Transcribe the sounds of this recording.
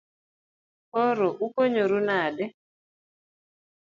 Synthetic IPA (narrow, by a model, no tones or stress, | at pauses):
oɾoʔukoɲoɾunadɛ